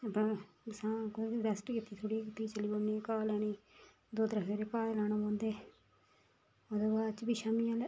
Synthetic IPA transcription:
əpãː | sãːkɾɛsʈkit̪ːiːt̪ʰoɽikɪt̪ːiːt͡ʃəliːboːneːkaːlɛːniː | d̪oːt̪ɾəɦeːɾeːkaːlaːɽ̃aːpãːnd̪eː | oːd̪eːbaːt͡ʃbiːʃaːmiːaːl

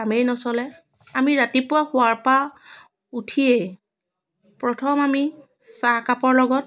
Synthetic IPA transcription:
amejnɔsɔlɛ | amiɹatipʊaxʊaɹpa | utʰie | pɹɔtʰɔmami | sakapɔɹlɔɡɔt̚

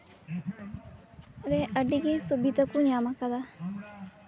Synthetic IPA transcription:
ɾeʔəɖiɡesubit̪ɐkuɲamakad̪a

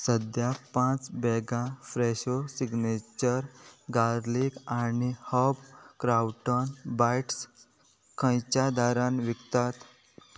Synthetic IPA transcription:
səd̪japãt͡sbɛɡãfɾeɕosiɡnet͡ɕəɾɡaɾlikanihəbkɾawʈənbajʈs | kʰə̃jt͡ɕad̪aɾanʋikt̪at̪

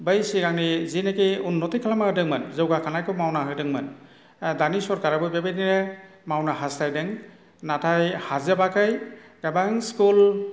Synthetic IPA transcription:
bəjsiɡaŋnizinekeunːɔtikʰalamahɯdɯŋmɯnzɯwɡakʰanajkɔmawnaɦɯdɯŋmɯn | danisɔɾkaɾabɯjbebeniɾe | mawnaɦastajdɯŋ | natʰajhazebakajɡ̥abaŋskul

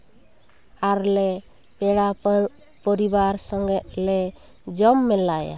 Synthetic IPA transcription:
aɾle | pɛɽa | pɔɾibaɾsɔŋɡɛt̪lɛ | d͡ʒɔmːɛlːaja̰

